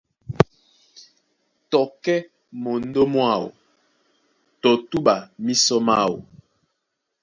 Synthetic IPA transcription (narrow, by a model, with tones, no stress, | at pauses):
tɔ˨kɛ˦ | mo˨n̩˦do˦mwa˦˨wo̰˨ | tɔ˨tu˦ɓa˨mi˦sɔ˦ma˦˨wo̰˨